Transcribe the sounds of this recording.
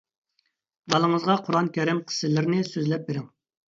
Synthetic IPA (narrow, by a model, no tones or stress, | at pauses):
bɑlˠəŋəzʁɑqʰʊɾɑnkʲʰɛɾɪmqʰə̥sɪlɪɾnɪsøzlɛp̚beɾɪŋ